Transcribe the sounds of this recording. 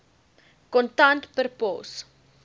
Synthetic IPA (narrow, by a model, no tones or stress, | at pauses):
kɔntɐntpərpɔ̰s